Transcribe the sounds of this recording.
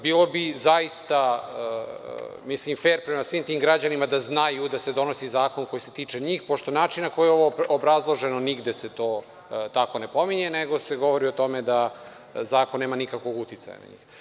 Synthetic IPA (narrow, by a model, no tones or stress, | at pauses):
biːlo̞bizajist̪a | mislimfeːɾpɾe̞masʋiːmt̪iːmɡɾad͡ʑanimad̪aznajud̪ased̪o̞no̞sizaːko̞nko̞jiset̪iːt͡ʂe̞ɲiːxpo̞ʃt̪o̞naːt͡ʃinnːako̞jjeo̞ʋoobɾazlˠo̞ʒe̞no̞niɡd̪ese̞t̪o̞ː | t̪ako̞ne̞po̞miɲe̞neɡo̞seɡo̞ʋo̞ɾio̞t̪o̞me̞d̪a | zaːkonːeːmanikakʋo̞ɡut̪it̪sa̰ja̰na̰ɲḭːx